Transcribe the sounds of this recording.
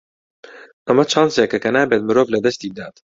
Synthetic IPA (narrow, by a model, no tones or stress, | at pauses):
ʔɐmɐt͡ʃʰɑnzekɐkɐnaːbet̪̚mɨɾoːvlɐd̪ɐst̪iːd̪aːt̪